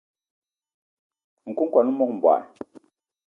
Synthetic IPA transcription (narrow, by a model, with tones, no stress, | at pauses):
ŋ̩˨ku˦ŋ˦kwa˨nu˦mɔ˦k̚m̩˨bwa̰˨